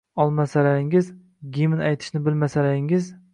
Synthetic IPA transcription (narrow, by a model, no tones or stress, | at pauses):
ɒlˠmasalaɾɪŋɪz | ɡʲimɪnajt̪ʰɪ̥ʃnɪbɪlmasalaɾɪŋɪz